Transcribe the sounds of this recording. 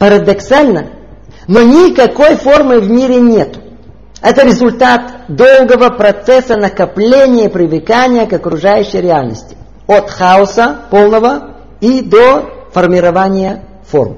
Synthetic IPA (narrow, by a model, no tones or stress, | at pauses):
pɐɾəd̪ɐksalʲnə | nonʲɪkɐko̞jformɨvmʲiɾʲɪnʲe̞t̪ʊ̥ | ɛt̪əɾʲɪzʊlʲt̪at̪d̪o̞lˠɡəvəpɾɐt̪sɛsənəkɐplʲenʲɪjəpɾʲɪvɨkanʲɪjəkɐkɾʊʐajʉɕːəjɾʲɪalʲnə̰sʲtʲɪ̥ | ot̪xaʊsəpolˠnəvə | id̪ofərmʲɪɾɐvanʲɪjə | fo̰rm